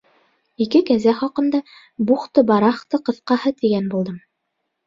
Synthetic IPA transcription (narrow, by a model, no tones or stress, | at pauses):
ikɘkæzæχɑqɤ̆nd̪ɑ | buχt̪ɤbɑɾɑχt̪ɤqɤ̆θqɑhɤt̪iɡænbulˠd̪ɤm